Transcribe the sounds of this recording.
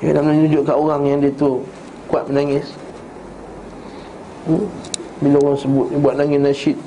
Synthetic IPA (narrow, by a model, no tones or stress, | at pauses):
jonaʔmənanud͡ʒʊʔkaʔoɣaŋjaŋdiət̪u | kuat̪̚mənaŋɪs | bilaoɣaŋsəbʊt̪̚buat̪̚laŋɪsnaʃit̪̚